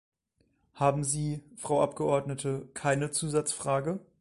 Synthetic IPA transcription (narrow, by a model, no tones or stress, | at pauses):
haːbm̩ziːfʁ̥aʊʔapɡ̥əʔɔɐdnətʰəkʰaɪnət͡suːzat͡sfʁ̥aːɡə